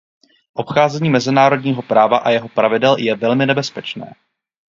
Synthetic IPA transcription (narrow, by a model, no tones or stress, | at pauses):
ʔo̞pxaːzɛɲiːmɛzɪnaːɾo̞dɲiːɦo̞pɾaːvaʔajɛɦo̞pɾavɪdɛljɛvɛlmɪnɛbɛspɛt͡ʃnɛ̰ː